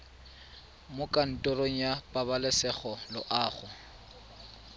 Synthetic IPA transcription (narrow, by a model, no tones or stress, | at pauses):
mʊkʼan̩tʼɔroŋ̩japʼabalɪsɛχɔlʊʔaːχʊ